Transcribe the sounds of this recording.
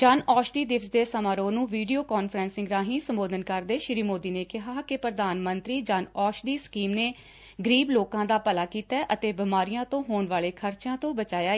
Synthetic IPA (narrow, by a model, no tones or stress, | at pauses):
d͡ʒaːnɔːʃd̪iːd̪ɪfsd̪eːsəmaːɾoːnũːʋiːɖijoːkɔːnfʰɾɛ̃ːnsɪ̃ŋɡɾaːɦĩːsəmboːd̪ənkəɾd̪eːʃɪɾiːmoːd̪iːneːkɪɦaːkɪpɾəd̪aːnmənt̪ɾiːd͡ʒaːnɔːʃd̪iːskiːmneː | ɡəɾiːbloːkãːd̪aːpəlaːkiːt̪ɛːʔət̪eːbɪmaːɾijãːt̪õːɦoːɳʋaːleːkʰəɾt͡ʃãːt̪õːbət͡ʃaːjaː